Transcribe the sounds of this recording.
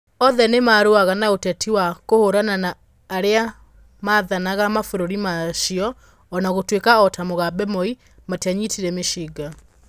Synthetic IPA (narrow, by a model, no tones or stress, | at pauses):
ɔðɛnemaɾoaɣanaotɛtʰiwakohoɾananaː | ɾea | maðanaɣamafoɾoɾimaʃiɔː | naɣotwekaɔtamoɣabɛmɔi | mataɲitiɾɛmeʃiɡa